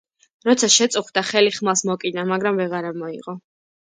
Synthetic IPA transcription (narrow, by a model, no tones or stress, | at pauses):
ɾɔt̪sʰaʃɛt̪sʼuχd̪aχɛliχmasmɔkʼinamaɡɾamvɛʁaɾamɔḭʁɔ